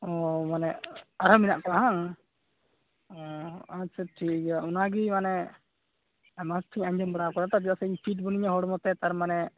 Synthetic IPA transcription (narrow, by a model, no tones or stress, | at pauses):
ɔmanɛaɾɦɔminaʔkɔaɦaŋ | ɔasɛʈʰikɡaunaɡimanɛ | masʈʰiɲaɲd͡ʒɔmbɔɽakɔɾat̪ab̬iasɛiɲpʰiʈ̚bɔniɲaɦɔɽmɔt̪ɛt̪aɾmanɛ